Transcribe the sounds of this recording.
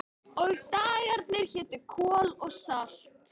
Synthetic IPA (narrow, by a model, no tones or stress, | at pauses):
ɔɣt̪aːɣaɾt̪̚nɪɾ̥çɛːt̪ʏkʰɔːlɔɣsal̥t̪